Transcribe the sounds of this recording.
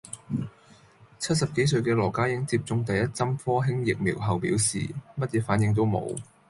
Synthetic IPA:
t͡sʰɐ˥t̚sɐ˨p̚ke˨˥js̬ɵ˧ɥkɛː˧lɔː˨˩kaː˥jɪ˥ŋt͡siː˧p̚t͡sʊ˧ŋt̪ɐ˨jːɐ˥t̚t͡sɐ˥mfɔː˥ɦɪ˥ŋjɪ˨k̚mḭː˨˩wɦɐ˨˩wpḭː˨˥wsḭː˨mɐ˥t̚jɛ˧˥faː˨˥njɪ˨˧ŋt̪̬o˥wmo̰˨˧w

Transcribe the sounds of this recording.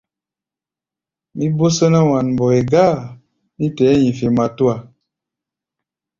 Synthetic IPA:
mi˦bo˦sə˦na˦wa˨nm˨bɔ˨e˨ɡa˦˨ | mi˦tɛ˨˦ɲi˨fe˨ma˨tu˦a˨

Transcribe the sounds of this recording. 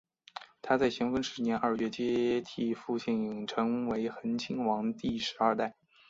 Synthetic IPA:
t̪ʰa˥t͡sa˥˩ɪɕjɛ˧˥nfə˧˥nʂɻ̩˧˥njɛ˧˥nʔɐ˞˥˧ɥɛ˥˩t͡ɕjɛ˥t̪ʰi˥˧˩fu˥˧t͡ɕʰi˥˩ni˨˩ŋʈ͡ʂʰɤ˧˥ŋwe˧˥ɪxə˧˥nt͡ɕʰi˥ŋwɑ˧˥ŋt̪i˥˩ʂɻ̩˧˥ɐ˞˥˧t̪a˥˩ɪ

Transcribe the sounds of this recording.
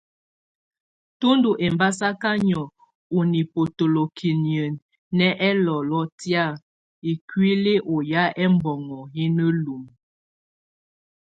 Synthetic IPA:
tu˦ndu˨ʔe˨mba˦sa˦ka˦ɲɔ˨ | u˨ni˨po˨to˨lo˨kʰi˨njə˨nː | ɛ˦ʔɛ˦lɔ˨lɔ˦tja˦˨ | i˨kɥi˦le˦ʔo˨ja˦ɛ˦m˦bɔ˨ŋɔ˨ji˦nə˦lu˨m

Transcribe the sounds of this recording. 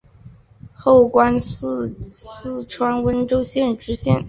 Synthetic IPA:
xo˥˩ʊkwa˥n | sɹ̩˥˩ʈ͡ʂʰwa˥nwə˥nʈ͡ʂo˥ʊɕjɛ˥˩nʈ͡ʂɻ̩˧˥ɕjɛ˥˩n

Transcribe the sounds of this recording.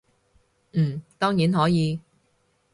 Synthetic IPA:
m̩ː˨˩t̪ɔː˥ŋjiː˨˥nɦɔː˨˥jiː˨˧

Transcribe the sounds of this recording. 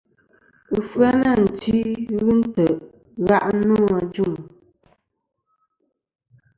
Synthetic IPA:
ɨ˨fɰa˦na˦˨n̩˨ti˦ɣɨ˦n̩˦tə˨ʔ | ɣa˦ʔnu˦a˨d͡ʒu˦˨ŋ

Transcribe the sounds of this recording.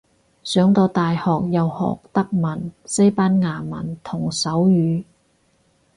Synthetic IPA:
sœː˨˥ŋt̪ɔː˧t̪aː˨jhɔː˨k̚jɐ˨whɔ̰ː˨k̚t̪ɐ˥k̚mɐ˨˩nse˥jpaː˥nŋaː˨˩mɐ˨˩nt̪ʰʊ˨˩ŋsɐ˨˥wjyː˨˧˥

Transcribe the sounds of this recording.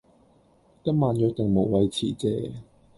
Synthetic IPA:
t̪ɐ˥maː˨˧njœː˧˥k̚t̪e˨˩ŋmo˨˩wwɐ˧jt͡sʰiː˨˩t͡sɛː˧

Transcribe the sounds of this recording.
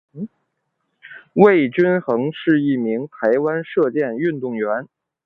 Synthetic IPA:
we˥˩ɪt͡ɕy˥nxɤ˧˥ŋʂɻ̩˥˧i˥˩mi˧˥ŋt̪ʰa˧˥ɪwa˥nʂɤ˥˧t͡ɕjɛ˥˧ny˥˧nt̪ʊ˥˩ŋɥɛ˧˥n

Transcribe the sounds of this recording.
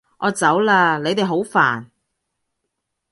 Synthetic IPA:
ʔɔː˨˧t͡sɐ˨˥wlaː˧le˨˧jt̪e˨jɦo˨˥wfa̰ː˨˩n

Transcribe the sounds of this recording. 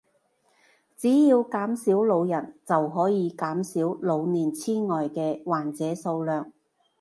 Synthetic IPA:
t͡siː˨˥jiː˧wkaː˨˥msiː˨˥wlo˨˧wjɐ˨˩nt͡sɐ˨wɦɔː˨˥jiː˨˧kaː˨˥msiː˨˥wlo˨˧wniː˨˩nt͡sʰiː˥ŋɔː˨jkɛː˧waː˨˩nt͡sɛː˨˥so˧wlœː˨ŋ

